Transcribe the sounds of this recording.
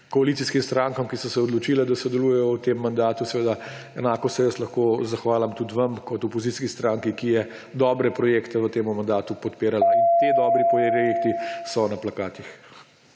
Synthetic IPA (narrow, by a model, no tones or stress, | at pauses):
kɔalit̪siskimst̪ɾaːŋkamkisɔsɛɔd̪lɔt͡ʃiːlɛd̪asɔd̪ɛluːjɛjɔwt̪emːand̪aːt̪usɛʋeːd̪a | ɛnaːkɔsɛjɐslɐxkoːzaxʋaːlamt̪ut̪ʋɐmkɔt̪ɔpɔziskist̪ɾaːŋkikijɛ | d̪ɔːbɾɛpɾɔjeːkt̪ɛʋət̪eːmumand̪aːt̪upɔt̪peːɾalaint̪eːd̪ɔːbɾipɔjjekt̪isɔnaplakaːt̪ix